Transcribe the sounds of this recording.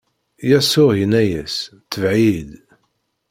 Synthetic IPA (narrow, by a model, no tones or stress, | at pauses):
jæsʊʁinæjæst̪ːəvʕid̪